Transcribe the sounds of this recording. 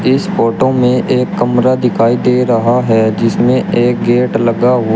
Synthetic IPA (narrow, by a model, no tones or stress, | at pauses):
ɪspoːʈõmẽʔeːkːəmɾad̪ɪkʰaːid̪eːɾɐɦaɦɛd͡ʒɪsmẽʔeːk̚ɡeːʈləɡaɦo